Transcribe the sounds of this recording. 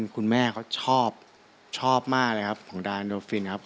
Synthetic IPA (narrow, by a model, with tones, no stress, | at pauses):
nkʰu˧nmɛː˥˩kʰa˦˥wt͡ɕʰɔː˥˩p̚ | t͡ɕʰɔː˥˩p̚maː˥˩k̚lɤː˧jkʰa˦˥p̚kʰɔ˩˦ŋdaː˧ndoː˧fi˧nkʰa˦˥p̚